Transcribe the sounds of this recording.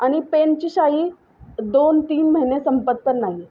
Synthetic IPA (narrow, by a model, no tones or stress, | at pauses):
aɽ̃ipent͡ɕiːɕaɦiː | d̪ont̪iːnməɦinesəmpət̪̚pəɾnaɦi